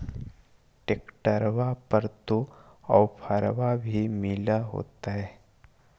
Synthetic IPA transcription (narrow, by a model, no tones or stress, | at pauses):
ʈeːkʈəɾʋapəɾt̪oɔwpʰaɾʋabʱimɪlaɦo̰ːt̪aɦɛː